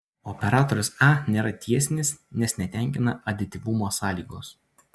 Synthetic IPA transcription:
ɔpʲɛɾɑːt̪oɾʲʊsɑnʲeːɾɐt̪ʲiɛsʲɪnʲɪsnʲɛsnʲɛt̪ʲæˑŋʲkʲɪnɐɐd̪ʲɪt̪ʲɪʋʊmoːsɑːlʲiːɡoːs

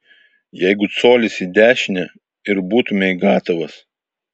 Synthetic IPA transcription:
jɛɪɡʊt̪soːlʲɪsiːd̪ʲæːʃʲɪnʲɛ | ɪɾbuːt̪ʊmʲɛiɡɑːt̪oʋɐs

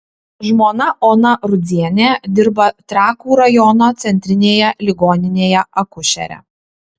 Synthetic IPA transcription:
ʒmoːnɐʔoːnɐɾʊd̪zʲiɛnʲed̪ʲɪɾbɐt̪ɾɑːkuːɾɐjɔnoːt̪sʲɛnʲt̪ʲɾʲɪnʲeːjɛlʲɪɡoːnʲɪnʲeːjɛɐkʊʃʲɛ̰ɾʲɛ̰

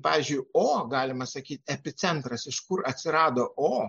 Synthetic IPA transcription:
pɑːʋʲɪːzʲd͡ʒʲʊɪoːɡɑːlʲɪmɐsɐkʲiːt̪ʲɛpʲɪt̪sʲɛnt̪ɾɐsɪʃkʊɾɐt̪ʲsʲɪɾɑːd̪oːʔoː

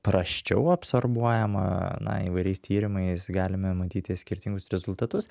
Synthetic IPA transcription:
pɾɐʃʲt͡ʃʲɛʊɐpsorbuɔjɛmɐ̰nɐ̰ḭːʋɐɪɾʲɛɪst̪ʰʲiːɾʲɪmɐɪsɡɑːlʲɪmɐmɐt̪ʲiːt̪ʲɪsʲkʲɪɾʲt̪ʲɪŋɡʊsɾʲɛzʊlˠt̪ɐt̪ʊs

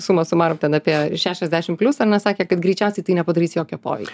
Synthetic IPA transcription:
sumɐsʊmɑːɾomt̪ʲɛnɑːpʲiɛʃʲæːʃʲɛzʲd̪ʲæːʃʲɪmpʲlʲʊsɐnɐsɑːkʲeːkɐt̪ɡɾʲɛɪt͡ʃʲɛʊsʲɛɪt̪ɐɪnʲɛpɐd̪ɐɾʲiːsjoːkʲoːpo̰ːʋʲɛ̰ɪkkʲː

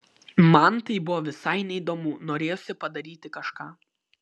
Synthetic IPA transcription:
mɐnt̪ɐɪbʊʋɔːʋʲɪsɐɪnʲɛid̪oːmunoːɾʲeːjoːsʲɪpɐd̪ɐɾʲiːt̪ʲɪkɐʃkɑː

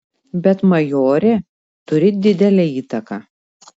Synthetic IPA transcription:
bʲɛt̪mɐjoːɾʲeː | t̪ʊɾʲɪd̪ʲɪd̪ʲɛlʲeːiːt̪ɐkɑ

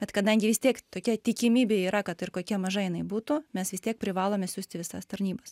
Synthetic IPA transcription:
bʲɛt̪kɐd̪ɐŋʲɡʲɪʋʲɪst̪ʲiɛkt̪oːkʲɛt̪ʲɪkʲɪmʲiːbʲeːiːɾɐkɐt̪ɪɾkoːkʲiɛmɐʒɐjɪnɐɪbuːt̪ʊmʲɛsʋʲɪst̪ʲiɛk̚pʲɾʲɪʋɑːlˠoːmʲɛsʲuːsʲt̪ʲɪʋʲɪsɐst̪ɐɾʲnʲiːbɐs

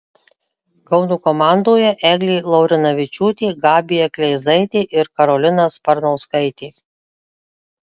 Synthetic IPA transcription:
kɒʊnuːkɔmɑːˑnd̪oːjɛʔɛːɡlʲiːlˠɐʊɾʲɪnɐʋʲɪt͡ʃʲuːt̪ʲiːɡɑːbʲɪjɛklʲɛɪzɐɪt̪ʲeːʔɪɾkɐɾɔlʲɪnɐspɐɾnɐʊskɐɪt̪ʲeː

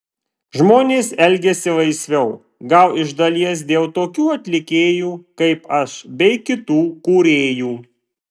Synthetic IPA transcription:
ʒmoːnʲeːsɛlʲɡʲɛsʲɪʋɐɪsʲʋʲɛʊ | ɡɐʊɪʒd̪ɐlʲiɛs̬d̪ʲeːlˠt̪oːkʲuːɐt̪ʲlʲɪkʲeːjuːkɐɪpɐʃbʲɛɪkʲɪt̪uːkuːɾʲeːjuː

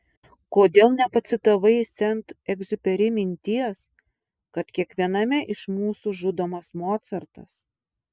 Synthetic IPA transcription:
koːd̪ʲeːlˠnʲɛpɐt̪sʲɪt̪ɐʋɐɪsʲɛnt̪ɛɡzʊpʲɛɾʲɪmʲɪnʲt̪ʲiɛs | kɐt̪kʲiɛkʋʲiɛnɐmʲɛʔɪʃmuːsuʒʊd̪oːmɐsmoːt̪sɐɾt̪ɐ̰s

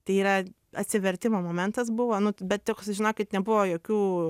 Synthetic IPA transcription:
t̪ɐɪiːɾɐ | ɐt̪ʲsʲɪʋʲɛɾʲt̪ʲɪmoːmoːmʲɛnt̪ɐs̬bʊʋoːnʊbʲɛt̪̚t̪ʲoksʒʲɪnoːkʲɪt̪nʲɛbʊʋoːjoːkʲuː

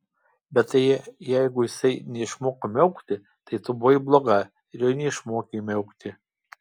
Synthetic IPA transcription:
bʲɛt̪t̪ɐjɛjæɪɡʊjɪsɐɪnʲɛɪʃmoːkɐmʲɛʊkt̪ʲɪ | t̪ɐɪt̪ʊboːjblˠoːɡɐ | ɪɾjoːnʲɛɪʃmoːkʲemʲɛʊkt̪ʲɪ

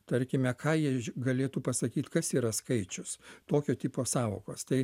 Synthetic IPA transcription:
t̪ɐɾʲkʲɪmʲɛkʰɑːjiɛɡɐlʲeːt̪uːpɐsɐkʲiːt̪kɐsiːɾɐskɐɪt͡ʃʲʊst̪oːkʲoːt̪ʲiːpoːsɑːʋo̰ːko̰ːst̪ɐɪ

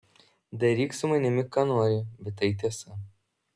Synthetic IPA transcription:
d̪ɐɾʲiːksʊmɐnʲɪmʲɪkɑːnoːɾʲɪbʲɛt̪ːɐɪt̪ʲiɛsɐ

